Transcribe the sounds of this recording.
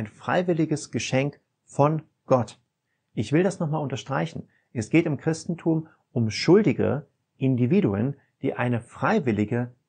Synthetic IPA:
ɪnfʁ̥a̰ɪvɪlɪɡəsɡ̥əʃɛŋk | fɔn | ɡ̥ɔt | ʔɪçv̥ɪldasnɔχmaːlʊntɐʃtʁ̥aɪçn̩ | ʔɛsɡ̥eːtɪmkʁ̥ɪstn̩tʰuːm | ʔʊmʃʊldɪɡə̰ | ʔɪndiviːduə̰n | d̥ḭːʔaɪnəfʁ̥aɪvɪlɪɡə

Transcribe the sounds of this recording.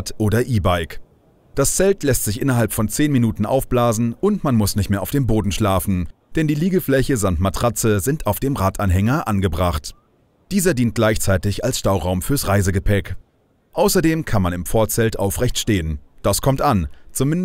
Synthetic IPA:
tʔoːdɐʔiːbaɪk | d̥ast͡sɛltlɛstz̥ɪçʔɪnɐɦalpfɔnt͡seːnminuːtn̩ʔa̰ʊfb̥laːzn̩ʊntmanmʊsnɪçtmeːɐaʊfd̥eːmboːdn̩ʃlaːfn̩ | d̥ɛndiːliːɡəflɛçəzamtmatʁ̥at͡səzɪntʰaʊfd̥eːmʁaːtʰʔanɦɛŋɐʔanɡəbʁaχt | d̥iːzɐdiːnt̚ɡ̥laɪçt͡saɪtɪçalsʃtaʊʁaʊmfyːɐsʁaɪzəɡəpʰɛk | ʔaʊsɐdeːmkʰanmanɪmfɔɐt͡sɛltʔaʊfʁɛçtʃteːənd̥askʰɔmtʔant͡sʊmɪn

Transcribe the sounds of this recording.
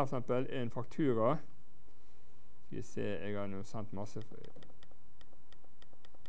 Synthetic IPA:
sɛmpəlʔeːnfɑkt̪ʰʉːɾɑ | sḭːsḛːeːɡɑːnuːsɛnt̪mɑsəfœ̰

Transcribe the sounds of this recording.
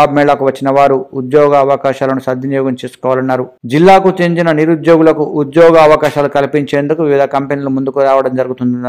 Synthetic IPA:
aːbmɛːɭɐkuʋɐt͡ʃːinɐʋaːɾuud̪jɔːɡɐːʋɐkaːʃaːlɐnusɐd̪ʱjinijɔːɡɐmt͡ʃeːsu̥kɔːʋaːlɐnːaːɾud͡ʒilːaːkut͡ʃeɲt͡ʃinɐniɾud̪joːɡulɐkuʔud̪jɔːɡɐːʋɐkaːʃaːlukɐlipiɲt͡ʃe̞ːnd̪ukuʋiʋid̪ʱɐkɐmpenilumund̪ukuɾaːʋɐɽɐmd͡ʒɐɾuɡut̪und̪una

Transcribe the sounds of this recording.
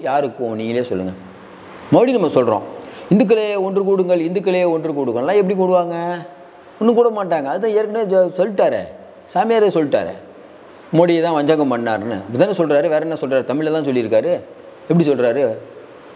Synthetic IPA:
jaːɾɯkːʊ̃niːŋɡɐljeːsɔlːɯŋɡɐ | mɐʋɽinɐmːɐsɔlɾõ̰ːɪnd̪ɯk̬ːɯlɐjeɔndɾɯk̬uːɽɯŋɡɐɭɪnd̪ɯk̬ːɪlɐjeɔndrɯkuːɽɯkːɐ̃lːãːɛp̬ːɐɽik̬uɽɯʋaːŋɡɐ | ɔnːɯkuːɽɐmaːʈːaːŋɡɐːðɯt̪ãːeːɾkːɐnesɔlːɪʈːaːɾɛ̰ | saːmɪjaːɾesɔlːɪʈːa̰ːɾɛ̰ | mɔɽɪjɐt̪ãːʋɐɲd͡ʒaːŋɡɐpɐɳːa̰ːɾnɯ̰ɐpːɐɽɪt̪aːnesɔlɾaːɾɯʋeːɾɐnːasɔlraːɾɯt̪ɐmɪɻlːɐt̪ãːsɔlːɪɾɯkːaːɾɯ | ɛp̬ːɐɽisɔlrɾaːɾɯ

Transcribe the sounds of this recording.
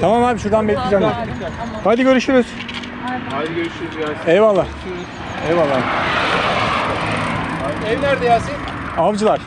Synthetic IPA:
t̪ʰamamhaːbiʃuɾd̪anbɛclʲid͡ʒæmd̪aɾhajd̪iɟø̞ɾyʃyɾyz̥ | aøɾyʃyɾzɛvalːaː | ɛvalˠːa | ɛvnæɾd̪ɛjasi | avd͡ʒɯlˠaɾ̥

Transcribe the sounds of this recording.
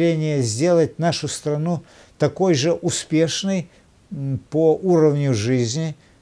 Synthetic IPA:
lʲenʲɪjəzʲdʲe̞lˠət̚ʲnaʂʊst̪ɾɐnu | t̪ɐko̞jʐɨʔʊspʲe̞ʂnɨj | poʔuɾəvnʲʊʐɨzʲnʲɪ

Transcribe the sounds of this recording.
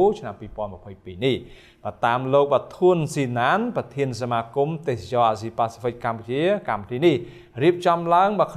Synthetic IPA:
t͡ɕʰnampiːpŏənmə̆əpʰəjpiːnih | ɓaːt̪aːmloːk̚ɓat̪ʰuənsiːnaːnprɑt̪ʰiənsamaːkumt̪eːhsat͡ɕɑːʔaːsiːpaːsi̥fʰɨk̚kamput͡ɕiəkamput̪ʰiːnih | riəp̚t͡ɕɑmlaəŋɓaəkʰ

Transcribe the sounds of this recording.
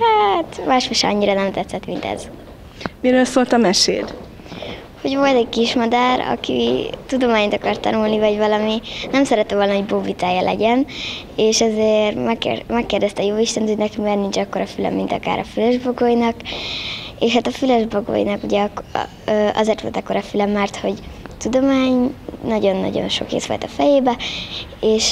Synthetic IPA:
hat̪maːʃfoʃɛɒ̰ɲːiɾɒnɛmt̪ɛt̪sːɛt̪mint̪ɛ̰z̥ | miɾøːlsoːlt̪ɒmɛʃḛːd̪ | ho̞ɟvo̞lt̪ɛɟkiʃmɒd̪aːɾɒ̰kḭt̪ud̪o̞maːɲt̪ɒkɒrt̪ːɒ̰nulnivɒɟvɒlɒminɛmsɛɾɛt̪ːɛvo̞lnɒɦoɟbovit̪aːjɒlʔɛ̰ɟɛn | eːʃɛzermɛkːḛrmɛkːeːrd̪ɛst̪ɛːjoːiʃt̪ɛnt̪honɛkimɛrnint͡ʃɒkːo̞ɾɒfylɛ̰mːint̪ɒ̰ka̰ːɾʔɒ̰fyløʒboɡoːjnɒk | eːʃhaːt̪ɒfyløʒboɡo̰ːjnɒkuɟɛkː | ʔɒ̰zeːrt̪ʋo̞lt̪ɒkːo̞ɾɒfylɛmːɛrt̪ho̞ɟt̪ud̪o̞maːɲnɒɟo̞nːɒ̰ɟo̰nʃo̞̰kḛːsʋo̰lt̪ɒfɛjeːbɛ | eːʃ

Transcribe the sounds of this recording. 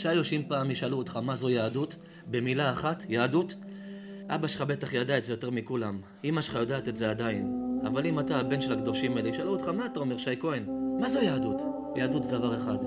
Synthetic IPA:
ʃajoʃimpaːmiʃaluot̪χamazo̞jaːdut | be̞milaːχatjaːdut | ʔa̰baʃe̥χabe̞taχjadaetze̞jo̞te̞ʁmikulam | imaʃe̥χajodaːt̪e̞tzead̪aina̰valimataːbe̞nʃelaɡd̪o̞ʃimaliʃaluot̪χamaːtao̞me̞ʁʃajko̞enmazojaːdut | jaːd̪utzdavaʁe̞χad

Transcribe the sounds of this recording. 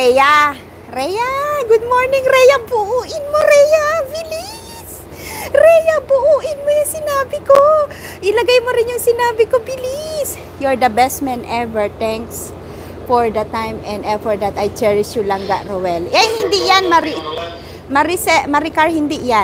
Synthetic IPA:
ɛja | ɾɛjaɡʊd̪̚moɹnɪŋɾɛjabʊʔuːʔɪnmoɾɛjabɪlɪ | s | ɾɛjabʊʔuːʔɪnmojʊŋsɪnaːbɪko | ʔɪlɐɡajmoɾɪnjʊŋsɪnaːbɪkobɪlɪs | jʊɹd̪ɐbɛsmɛnʔɛvɛɹt̪ɛŋks | fɔɹd̪ɐt̪ajmɛ̃nd̪ɛfɔɹd̪ɐt̪ajt͡ʃɛɹɪʃjʊlaŋɡaʔɾowɛlʔɛjhɪnd̪ijanmɐɾɪ | mɐɾɪsɛmɐɾɪkaɹhɪnd̪ɪʔja

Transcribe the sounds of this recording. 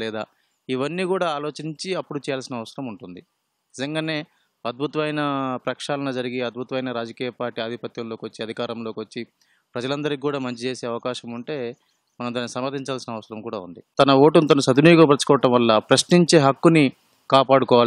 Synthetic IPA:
lɛːd̪a̰ː | iʋɐnːiːkuːɽaːaːlo̞ːt͡ʃiɲt͡ʃiɐpːuɽut͡ʃɛːjaːlsinɐʋɐsɐɾɐmuɳʈund̪i | nizɐŋɡaːne̞ː | ɐd̪̚bʱut̪ɐʋɐjnɐpɾɐkʂaːlɐnɐd͡ʒɐɾiɡiɐd̪̚bʱut̪ɐʋɐjnɐɾaːd͡ʒɐkiːjɐpaːɾʈːiːaːd̪ʱipɐt̪jɐmlo̞ːkʋɐt͡ʃːiɐd̪ʱikaːɾɐmlo̞ːkiʋɐt͡ʃːi | pɾɐd͡ʒɐlɐnd̪ɐɾikkuːɽaːmɐɲt͡ʃit͡ʃe̞ːse̞ːɐʋɐkaːʃɐmuɳʈe̞ː | mɐnɐmd̪aːnːisɐmɐɾd̪ʱiɲt͡ʃaːlsinɐʋɐsɐɾɐmkuːɽa̰ːṵnd̪it̪ɐnɐʋo̞ːʈunit̪ɐnusɐd̪unuːjɡɐmbɐt͡ʃkɔːɐʈɐmʋɐlːɐpɾɐʃniɲt͡ʃe̞ːɦɐkːuni | kaːpaːɽukɔːʋaː

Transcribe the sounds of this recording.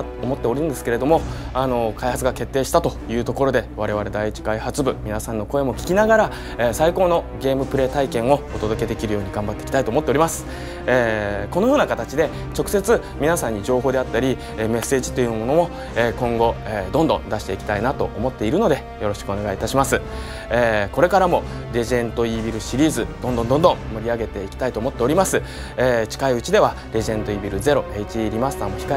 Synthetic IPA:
omo̞t̪ːe̞oɾʲɯɯ̃nd̪eɨ̥ke̞ɾe̞d̪o̞mo̞ano̞kʰaihat͡sɨɡake̞t̪ːeːɕi̥t̪at̪o̞jɯ̟ːt̪o̞ko̞ɾo̞d̪e̞β̞aɾe̞βaɾe̞d̪aiit͡ɕi̥kaihat͡sɨbɯ̟mʲinasãnːo̞ko̞e̞mo̞kʲi̥kʲinaɡaɾa | esaiko̞ːno̞ɡʲe̞ːmɯ̟pɯ̟ɾe̞ːt̪aikẽ̞ɰ̃o̞ot̪o̞d̪o̞ke̞d̪e̞kʲiɾɯ̟jo̞ːɲ̟iɡãmbat̪ːe̞ikʲi̥t̪ait̪oːmo̞t̪ːeoɾʲimasɨ̥ | eko̞no̞jo̞ːnakat̪at͡ɕid̪e̞ | t͡ɕo̞kɯ̟̥se̞t͡sɨ | mʲinasãɲ̟ːid͡ʑo̞ːɦo̞ːd̪e̞at̪ːaɾʲi | eme̞sːe̞ːʑi̥t̪ːo̞jɯ̟mo̞no̞mo̞ | eːkõ̞ŋɡo̞ed̪õnd̪õ̞nd̪aɕi̥t̪e̞ikʲi̥t̪ainat̪o̞ʔomo̞t̪ːe̞iɾɯ̟no̞d̪e̞ | jo̞ɾo̞ɕi̥kɯo̞ne̞ɡait̪aɕimasɨ | eːko̞ɾe̞kaɾamo̞ | ɾʲe̞ʑẽ̞nt̪o̞ibʲiɾɯ̟ɕiɾʲiːzɨd̪̥ond̪õ̞nd̪õ̞nd̪õ̞mmoɾʲiaɡe̞t̪e̞ikʲi̥t̪ait̪o̞ːmo̞t̪ːe̞o̞ɾʲimasɨ | eːt͡ɕi̥kaiɯ̟t͡ɕid̪e̞β̞a | ɾʲe̞ʑiẽ̞nt̪o̞ibʲiɾɯ̟ze̞ɾo̞eit͡ɕiɾʲimasɨ̥t̪amːo̞çi̥ka

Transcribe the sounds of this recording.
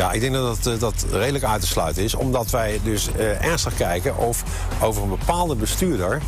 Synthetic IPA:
ja̰ɪɡ̚dɛŋɡdɑdtdɑtrejdələkœɥtəslœɥtənɪsɔ̰mdɑtʋɛjdɵs | ɛɹnstəχkɛjkənʔɔf | owvəɹənbəpaːlˠdəbəstyːɹdəɹ

